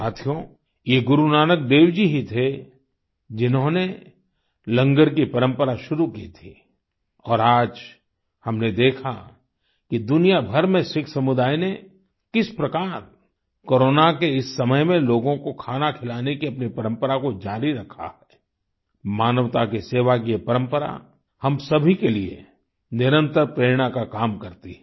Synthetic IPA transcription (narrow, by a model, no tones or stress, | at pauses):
saːt̪ʰijõ | jeɡʊɾunaːnək̚d̪eːʋd͡ʒiɦit̪ʰe | d͡ʒɪnɦõne | lɐ̃ŋɡəɾkipɐɾə̃mpəɾaʃʊɾukit̪ʰiː | ɔːɾaːd͡ʒ | hɐmned̪eːkʰa̰ | kid̪ʊnijabʱɐɾmẽʃɪkʰsɐmʊd̪aːine | kɪspɾɐkaːɾ | koːɾoːnakeɪsːɐməjmẽloːɡõkokʰaːnakʰɪlaːnekiɐpnipɐɾə̃mpəɾakod͡ʒaːɾiɾɐkʰa̰hɛː | maːnəʋt̪akiseːʋak̬ijepɐɾə̃mpəɾa̰ | hɐmsɐbʱikeliḛ | nɪɾə̃nt̪əɾpɾeːɾɽ̃akakaːmkɐɾt̪iɦɛ